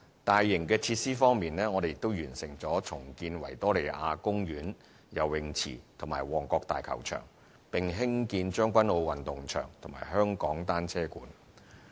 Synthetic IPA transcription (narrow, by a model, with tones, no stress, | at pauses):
t̪aː˨jːɪ˨˩ŋkɛː˧t͡sʰiː˧t̚siː˥fɔː˥ŋmiː˨nlɛː˥ŋɔː˨˧d̪e˨jɪ˨k̚t̪o˥wjyː˨˩nsɪ˨˩ŋt͡sɔː˨˥t͡sʰʊ˨˩ŋkiː˧nwɐ˨˩jt̪ɔː˥le˨˩jʔa̰ː˧kʊ˥ŋjyː˨˥n | jɐ˨˩wwɪ˨˩ŋt͡sʰḭː˨˩t̪ʰʊ˨˩ŋmaː˨˩jwɔː˨˩ŋkɔː˧k̚t̪a̰ː˨jkʰɐ̰˨˩wt͡ʃʰœ̰ː˨˩ŋ | pɪ˨ŋɦɪ˥ŋkiː˧nt͡ʃœː˥ŋkʷɐ˥nlo˧wwɐ˨nt̪ʊ˨˩ŋt͡ʃʰœ̰ː˨˩ŋt̪ʰʊ˨˩maː˨˩jɦœː˥ŋkɔː˨˥ŋt̪aː˥nt͡sʰɛː˥kuː˨˥n